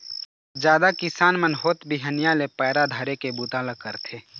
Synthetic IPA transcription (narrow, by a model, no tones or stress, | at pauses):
d͡ʒjaːd̪akɪsaːnmənɦoːt̪bʱiɦənjalepɛːɾad̪ʱəɾekebuːt̪aːləkːəɾt̪ʰeː